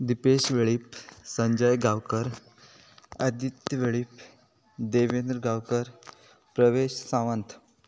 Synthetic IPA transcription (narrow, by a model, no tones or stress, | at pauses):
d̪ipeɕʋeɭipsəɲd͡ʑəjɡawkəɾ | ad̪jit̪jəʋeɭip | d̪eʋend̪ɾɡawkəɾ | pɾəʋeɕsãʋənt̪ʰ